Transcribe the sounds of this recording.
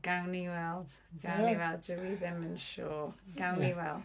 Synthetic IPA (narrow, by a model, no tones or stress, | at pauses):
ɡ̥awniwɛlˠd̥ | ɡ̥awniwɛlˠddəwiðɪmənʃoːɡ̥awniwɛl̥ˠ